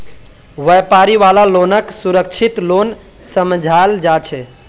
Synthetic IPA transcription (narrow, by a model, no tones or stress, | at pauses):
ʋəjpaɾiʋalalonəksuɾək̚t͡ʃʰit̪lon | səmd͡ʒʱald͡ʒat͡ʃʰɛ